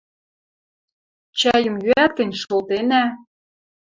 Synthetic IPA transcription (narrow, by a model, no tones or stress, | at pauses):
t͡ɕæjə̆mjyæt̪̚kɘ̆nʲʃolt̪enæ